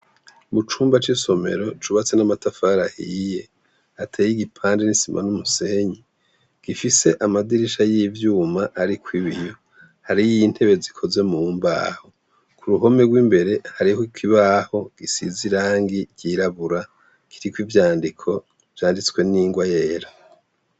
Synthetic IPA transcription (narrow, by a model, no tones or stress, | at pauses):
mut͡ʃuːmbat͡ʃiso̞me̞̰ɾo̞t͡ʃuβat͡se̞namatafaɾahije̞ | atʰeːjiɡipʰaːndenisimʔa̰numuse̞ɲi | ɡ̥ifise̞ʔamadiɾiʃajivjuːmaʔːɾikwiβijo̞ | haɾijiinhe̞βezikʰo̞ze̞mumba̰ːho | kuɾuɦo̞me̞ɡwiːmbe̞ɾe̞haɾihikiβaːho̞ɡ̥isḭziɾaːŋɡiɟ̥iɾaβuɾa | kʰiɾikwivjaːndikʰo̞ | v̥jaːndit͡swe̞niːŋɡwajeːɾa